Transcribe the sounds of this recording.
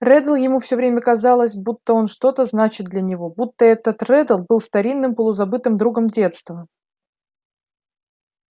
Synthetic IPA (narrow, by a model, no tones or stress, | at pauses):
rɛd̪əlˠjɪmufsʲɵvɾʲemʲəkɐzɑlˠəsʲbut̪ːəo̞nʂt̪o̞t̪əznat͡ɕɪt̪̚d̪lʲənʲɪvo̞but̪ːəɛt̪ət̪rɛd̪əlˠbɨlˠst̪ɐɾʲinːɨmpəlˠʊzɐbɨt̪ɨmd̪ɾuɡəmdʲe̞t̪st̪və